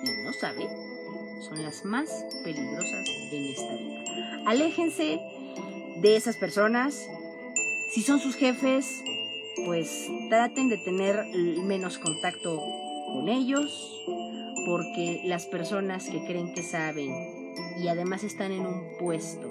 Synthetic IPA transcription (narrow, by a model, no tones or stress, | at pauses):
ino̞sa̰βḛn | so̞nlazmas | pe̞liɣɾo̞sa̰zðenest̪aβi | ale̞xe̞nse̞ | ðe̞esaspe̞ɾso̞nas | iso̞nsusxe̞fe̞s | pwe̞st̪ɾat̪e̞nd̪e̞t̪e̞ne̞ɾmẽ̞no̞sko̞nt̪akt̪o̞ | ko̞ne̞ʝo̞s | po̞ɾke̞laspe̞ɾso̞naske̞kɾe̞ːŋke̞saβe̞n | iaðe̞mase̞st̪ane̞nũmpwe̞st̪o̞